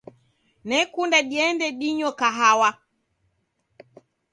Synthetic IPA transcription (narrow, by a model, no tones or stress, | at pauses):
nɛkundaɗiɛndɛɗiɲɔkaɦawa